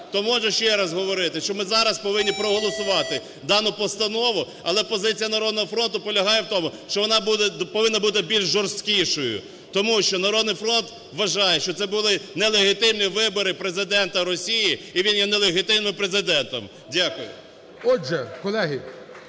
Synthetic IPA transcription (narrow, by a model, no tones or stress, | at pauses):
t̪ɔmɔʒʊʃt͡ʃɛɾɐzɦɔʋɔɾɪt̪ɪʃt͡ʃɔmɪzɑɾɐspɔʋɪnʲːipɾɔɦɔlˠɔsʊʋɑt̪ɪ | d̪ɑnʊpɔst̪ɐnɔʋʊ | ɐlˠɛpɔzɪt͡sʲijɐnɐɾɔd̪nɔɦɔfɾɔnt̪ʊpɔlʲɐɦɑjɛwt̪ɔmʊʃt͡ʃɔʋɔnɑbud̪ɛpɔʋɪnːɐbut̪ɪbʲilʲʒʒɔrst̪kʲiʃɔjʊ̰ | t̪ɔmuʃt͡ʃɔnɐɾɔd̪̚nɪjfɾɔnt̪ | ʋɐʒɑjɛʃt͡ʃɔt̪sɛbʊlˠɪnɛlˠeɦɪt̪ɪmnʲiʋɪbɔɾɪpɾezɪd̪ɛnt̪ɐɾɔsʲijiiʋʲinjɛnɛlˠeɦɪt̪ɪmnɪmpɾezɪd̪ɛnt̪ɐm | dʲɑkʊjʊ̰ | ɔd͡ʒɛkɔlˠɛɦi